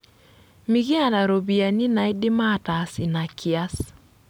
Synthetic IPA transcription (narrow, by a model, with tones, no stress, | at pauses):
mi˨ɣi˦a˦˨na˨ɾo˨bi˨a˨ni˦na˨ɪ˦dɪ˦ma˦˨ta˨sɪ˨na˨kʰɪ˨a˦s